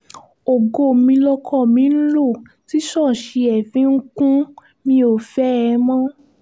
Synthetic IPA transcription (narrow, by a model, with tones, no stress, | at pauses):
o˨ɡo˧˨mĩ˧lɔ˧kʰɔ˦˨mĩ˨˦n̩˦lo˦˨ | ti˦ʃɔ˦˨ʃe˧ɛ˨fĩ˨˦ŋ̩˦kũ˦ | mĩ˧o˨fɛ˨˦ɛ˧mã˦